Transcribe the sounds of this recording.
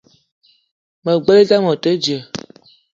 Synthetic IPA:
mə˨ɡ͡bə˦le˦za˦mɔ˨tə˦d͡ʒi˨ə˨

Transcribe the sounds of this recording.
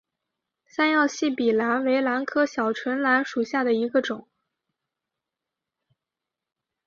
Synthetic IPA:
sa˥njɑ˥˧ʊɕi˥˩pi˨˩la˧˥nwe˧˥ɪla˧˥nkʰɤ˥ɕjɑ˨˩ʊʈ͡ʂʰwə˧˥nla˧˥nʂu˨˩ɕja˥˩d̪ə˩i˧˥ɡə˧ʈ͡ʂʊ˨˩˦ŋ

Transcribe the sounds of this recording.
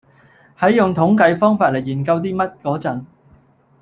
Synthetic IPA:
hɐ˨˥jjʊ˨ŋt̪ʰʊ˨˥ŋkɐ˨˧˥jfɔː˥ŋfaː˧t̚le˨˩jjiː˨˩nkɐ˧wt̪̬iː˥mɐ˥t̚kɔː˨˥t͡sɐ˨˥ŋ

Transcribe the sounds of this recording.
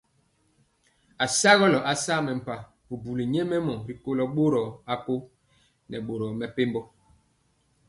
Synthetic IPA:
a˨sa˦ɣɔ˦lɔ˨ʔa˨sa˦mɛ˨m̩˨pa˨ | bu˨bu˨li˨ɲe˦mɛ˦mɔ˨ɾi˨ko˦lɔ˦ɓo˦ɾɔ˨a˦po˦ | nɛ̰˨ɓo˨ɾɔ˨mɛ˨pe˦mbɔ˦

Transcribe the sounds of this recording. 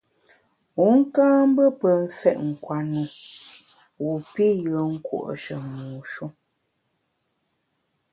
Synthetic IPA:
wu˨˦ŋ̩˦kãː˦m̩˦bə˦pə˨n̩˦fɛ˦˨ʔŋ̩˨kwa˨nu˨ | wu˨pi˦jə˨˦ŋ̩˦kwo̰˦˨ʔʃə˨muː˨ʃu˦

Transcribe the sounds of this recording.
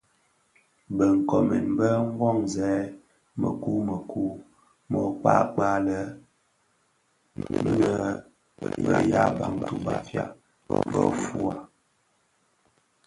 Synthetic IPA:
bə˨ŋ̩˨kɔ˨mɛ˨nbə˦ŋ˦ɡwɔ˦˨ŋzɛ˨˦ | mə˨ku˦mə˨ku˦ | mɔ˨k͡pa˦k͡pa˦lə˦ | m˦nə˦˨ | bə̰˨ja˦ba˨ŋtu˦ba˨fja˦˨ | bə̰˦fu˦a˨

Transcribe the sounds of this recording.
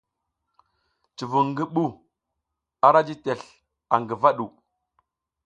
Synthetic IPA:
t͡ʃi˨vu˨ŋɡi˦ɓu˦ | a˨ɾa˦d͡ʒi˦te˨ɬ | a˨ŋɡi˨va˦ɗu˨

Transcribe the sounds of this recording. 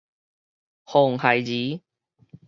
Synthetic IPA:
ho˨˩ŋhɐ˨˩jziː˨˦

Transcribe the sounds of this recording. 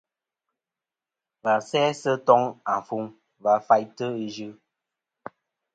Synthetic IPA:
va˨sɛ˦sə˦tɔ˦ŋa˨ɱ˨fu˨˦ŋ | va˨˦fa˦jtə˦i˦d͡ʒʉ˦

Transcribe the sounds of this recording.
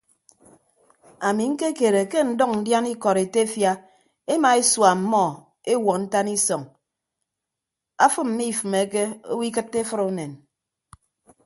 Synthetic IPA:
a˨mi˨ŋ̩˦ke˦ke˨ɾe˨ke˦n̩˨dɔ˦ŋn̩˦dja˦ni˦kɔ˨ɾe˨te˦fja˦ | e˦ma˨e˦swa˨m̩˦mɔ˦˨ | e˦wɔ˨kn̩˦ta˦ni˦sɔ˨ŋ | a˦fɨ˦m̩˦mi˦˨fɨ˨me˨˦ke˦o̰˦wi˦k̬ɨ˦tːe˦fɨ˦ɾo˦ne˨n

